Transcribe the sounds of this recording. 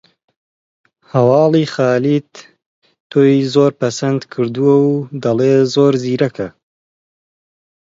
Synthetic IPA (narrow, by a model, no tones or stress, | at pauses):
hɐwɑːlixɑːliːt̪ | t̪ʰːoːjzoːɾpɐsɐnd̪kʰɨɾd̪uwɐwd̪ɐleːzoːɾziːɾɐkʰɐ